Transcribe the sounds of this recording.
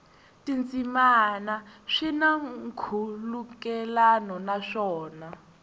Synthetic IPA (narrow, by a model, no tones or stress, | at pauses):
tʼint͡sʼimanaʂinaŋkʰulukɛlanɔnaʂɔːna